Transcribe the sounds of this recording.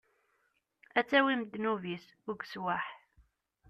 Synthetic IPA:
æt͡sːæwimd̪nuvis | ʊɡswaħ

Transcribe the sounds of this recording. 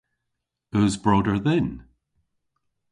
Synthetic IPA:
ʉzbɹoɾə˞ðɛ̃n

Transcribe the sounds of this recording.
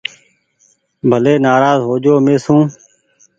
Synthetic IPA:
bʱəleːnaːɾaːzɦoːd͡ʒoːmẽːsũː

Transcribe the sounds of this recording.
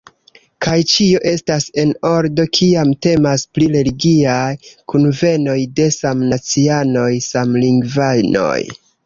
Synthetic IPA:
kajt͡ʃio̞ʔe̞stase̞no̞ɾdo̞kʰiamte̞maspliɾe̞liɡiajkunve̞no̞jde̞samnat͡siano̞jsamliŋɡvajno̞̰j

